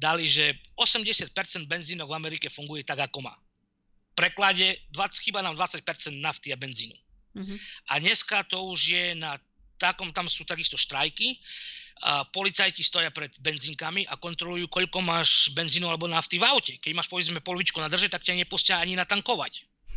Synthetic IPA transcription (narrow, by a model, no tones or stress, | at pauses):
d̪aliʒɛɔsɛmɟɛsɪat̪̚pɛɾt͡sɛnd̪̚bɛnziːnɔɡvamɛɾikɛfuŋɡujɛt̪aɡakɔma̰ː | pɾɛklaɟɛd̪ʋaxiːbanaːmd̪ʋat͡sːac̚pɛɾt͡sɛnd̪naft̪iabɛnziːnṵ | ʔa̰dɲɛskat̪ɔuʒjɛna | t̪akɔmt̪amsuːt̪aɡist̪ɔʃt̪ɾajki | pɔlit͡sajcist̪ɔjapɾɛd̪bɛnziːŋkamiʔakɔnt̪ɾɔlujuːkɔʎkɔmaːʃbɛnziːnualɛbɔnaft̪ivawcɛkɛɟmaːʃpɔʋɛzmɛpɔlʋit͡ʃkɔnad̪r̩ʒɛt̪akcaɲɪɛpuscaaɲinat̪aŋkɔʋa̰c